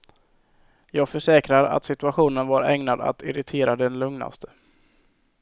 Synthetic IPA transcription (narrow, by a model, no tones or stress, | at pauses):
jɑːɡfœʂɛːkɾaɾa̰t̪sɪt̪ɵaɧuːnənvaɾɛŋnad̪a̰t̪ɪɾɪt̪ʰeːɾad̪ɛnlɵŋna̰st̪ʰə̥